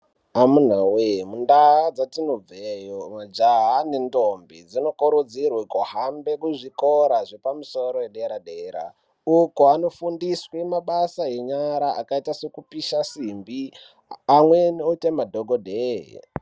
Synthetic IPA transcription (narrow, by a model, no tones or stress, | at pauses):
amun̤awemundaad͡zatinob͡vejomad͡ʒaɦane̞ndombid͡zino̞koɾud͡zirwekoɦambe̞kuʐikoɾaʐepamuso̞ɾojeɗeɾaɗeːɾa̰ | ukoano̞fundiswemaɓasaeɲaɾaʔa̰kaitase̞kupiʃasimbi | amwenotemadʱoɡʱodʱeɦ